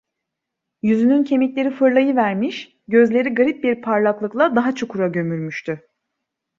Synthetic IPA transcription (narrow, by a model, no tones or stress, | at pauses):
jyzynyncʰe̞mic̪ʲlʲe̞ɾifɯɾlˠajɯvæɾmiʃ | ɟø̞zlʲe̞ɾiɡaɾip̚biɾpʰaɾlˠaklˠɯklˠad̪aɦat͡ʃʰokʰuɾaɟø̞myɾmyʃt̪ʰy